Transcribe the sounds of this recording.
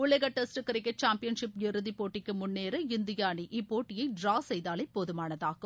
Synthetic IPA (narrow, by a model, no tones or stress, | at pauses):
ʊɭɐɣɐʈɛsʈɯkːɐɾɐkːɐt͡ʃaːmpɪjɐnʂɪpjɪɾɯðipːoːʈːɪkːɯmʊnːeːɾɐɪnd̪ɪjaːniʔiːpːoːʈːɪjɐɪɖɾaːsɛjðaːlɐɪpːoðɯmaːnɐðaːɣɯm